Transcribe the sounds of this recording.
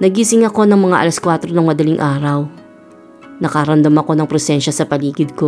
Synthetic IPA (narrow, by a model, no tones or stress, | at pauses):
nɐɡiːsɪŋɐko̞nɐŋmɐŋaʔɐ̰lɐskwaːt̪ɾonɐŋmɐd̪ɐlɪŋʔaːɾɐw | nɐkaɾɐnd̪ɐmɐko̞nɐŋpɾɛsɛnʃɐsɐpɐliːɡɪd̪̚ko̞